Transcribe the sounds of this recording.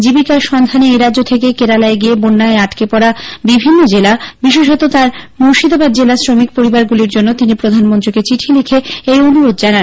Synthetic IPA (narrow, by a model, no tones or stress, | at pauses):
d͡ʑibikaʃɔnd̪ʱaneeɾad͡ʑot̪ʰekekeɾalaeɡiebonːaeaʈkepɔɾabibʱinːod͡ʑelabiʃ̬eʃɦɔt̪ot̪aɾ | muʃid̪obad̪̚d͡ʑelasɾomik̚poɾibaɾɡuliɾd͡ʑonːot̪inipɾod̪ʱanmont̪ɾiket͡ɕiʈʰilekʰeejonuɾod̪̚d͡ʑanan